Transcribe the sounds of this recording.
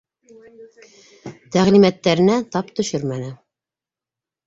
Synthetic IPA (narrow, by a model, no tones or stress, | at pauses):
t̪æʁlimæt̪ːæɾɘ̆næt̪ɑpt̪ɵ̆ʃɵɾmænɘ